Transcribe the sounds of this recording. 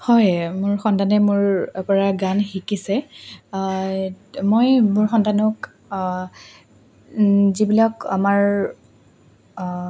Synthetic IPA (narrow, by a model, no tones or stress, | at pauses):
hɔjmʊɹxɔntanɛmʊɹpɔɹaɡanxikisɛ | mojmʊɹxɔntanɔk | zibilɔkamaɹ